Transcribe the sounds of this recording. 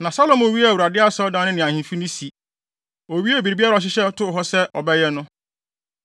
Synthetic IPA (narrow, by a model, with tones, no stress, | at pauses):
nã˨sa˦lo˦˨mʊ̃˨wi˦˨wɾa˨dɪ˦a˦sa˨˦ɔ˦dã˦nɪ̃˦nɪ̃˨ã˨hĩ˨fi˦nĩ˦si˨ | o˨ɥi˦ɛ˦˨bi˨ɾi˨bi˦a˦ɾa˨ɔ˨ɕ̬ɪ˦ɕɛ˦tʊ˦˨ɦɔ˦sɛ˦ɔ˨bɛ˦jɛ˦nʊ̃˦